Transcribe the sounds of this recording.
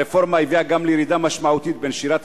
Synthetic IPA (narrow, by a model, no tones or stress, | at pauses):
efo̞ɾmaiviaɡamlejɾid̪amaʃmaut̪it̪̚benʃiɾat̪